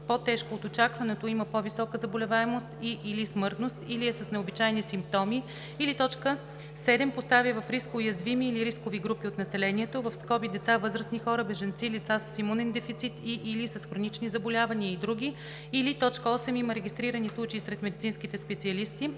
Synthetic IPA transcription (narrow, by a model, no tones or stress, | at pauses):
pot̪ɛʃkoːt̪ot͡ʃakvɐnɛt̪oiməpovisɔkəzɐbolʲɛvaɛmost̪iʔːlismɤɾt̪nost̪iliɛsəsnɛobit͡ʃajnisimp̚t̪ɔmiː | lit̪ɔt͡ʃkə | sɛd̪ɛmpost̪avivɐfɾiskːjɐzvimiːliɾiskoviɡɾupiot̪nɐsɛlɛniɛt̪ovɐfskɔbid̪ɛt̪savɤzɾəsnixɔɾəbɛʒɐnt̪silit̪sasə̥simunɛnd̪ɛfit̪sit̪ʰiʔilisəsxɾonit͡ʃnizɐbolʲavɐniəid̪ɾuɡʲi | ilit̪ɔt͡ʃkəɔsɛmiməɾɛɡʲist̪ɾiɾənislˠut͡ʃɐisɾɛt̪mɛd̪it̪sinskit̪ɛspɛt̪siɐlist̪i